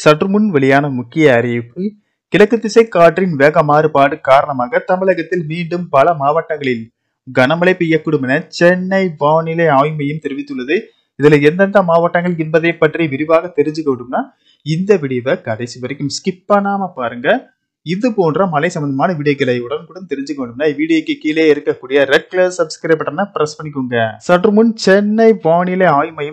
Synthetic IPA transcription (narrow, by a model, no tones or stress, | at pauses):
sɐʈrɯmʊnʋɛɭɪjaːnɐmʊkːɪjɐɐɾɐpːɯ | kɪlɐkːɯt̪ːɪsɐɪkːaːʈrɪnʋeːɣɐmaːɾɯpaːɽɯkaːɾɐɳɐmaːɣɐt̪ɐmɪɭɐɣɐt̪ːɪlmiːɳɖɯmpɐlɐmaːʋɐʈːɐŋɡɐɭɪl | ɡɐnɐmɐlɐɪpːɪjːɐkːʊɽɯmɐnɐt͡ʃɛnːɐɪʋaːnɪlɐaːjmɐjɯmt̪ɛɾɪʋɪt̪ːɯɭːɐðɯ | ɪðɪlɐɛnd̪ɐnd̪ɐmaːʋɐʈːɐŋɡɐɭɪnbɐðɐɪpːɐʈriʋɪɾɪʋaːɣɐt̪ːɛɾɪɲd͡ʒɯkːɐʋɪɽɯmnaː | ɪnd̪ɐʋɪɽɐɪjʋɐkɐðɐɪsiʋɐɾɐkːɯmskɪpːɐnaːmɐpaːɾɯŋɡɐ | ɪðɯpoːndrɐmɐlɐɪsɐmbɐnd̪ɐmaːnɐʋiːɽɐk̬ːɪlɐjɯɽɐnkuɽɐnt̪ɛɾɪɲd͡ʒɯkɐʋeːɳɖɯmnaːʋiːɽɪjɐkːɯkiːleːɪɾɯkːɐkːuːɽɪjɐɾɛʈ̚klɐssɐbskɐɾɐp̬ːɐʈːɐnapɾɐspɐɳːɪkːɯŋɡɐsɐʈɾɯmʊnt͡ʃɛnːɐɪʋaːɳɪleaːjmɐjɯm